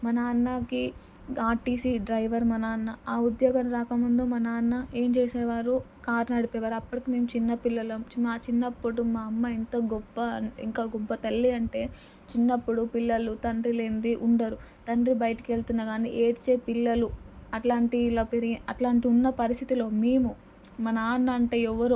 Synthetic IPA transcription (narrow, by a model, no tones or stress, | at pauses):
mɐnɐːnːɐki | aːʈiːsiɖɾɐjʋɐɾmɐnaːnːɐaːud̪joːɡɐmɾaːkɐmund̪omɐnɐːnːɐe̞ːmt͡ʃeːseːʋaːɾu | kaːɾnɐɽipɛːʋaːɾuɐpːɐʈikime̞ːmut͡ʃinːɐpilːɐlɐmt͡ʃnat͡ʃinːɐpːuɽumaːɐmːɐint̪ɐɡɔbːɐḭŋkaːɡɔbːɐt̪ɐlːiɐɳʈe̞ː | t͡ʃinːɐpːuɽupilːɐlut̪ɐɳɖɾile̞ːnd̪iʔuɳɖɐɾu | t̪ɐɳɖɾibɐjɐʈɐkieɭt̪unːaːɡaːnḭʔeːʈt͡ʃe̞ːpilːɐluɐʈlaːɳʈilɐːpeɾiɐʈlaːɳʈiunːɐpɐɾist̪ʰit̪ilo̞ːmeːmu | mɐnɐaːnːɐːɳʈe̞ːɛʋːɐɾu